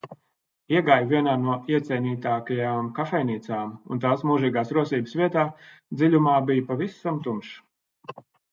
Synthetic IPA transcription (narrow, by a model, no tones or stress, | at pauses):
iɛɡaːjvʲiɛnaːnuɔiɛt̪sʲɛjniːt̪aːkajaːmkafɛjniːt̪saːmṵnt̪aːsmuːʒiːɡaːsɾuɔsiːbəsvʲiɛt̪aː | d̪zilʲumaːbijpavisamt̪umʃ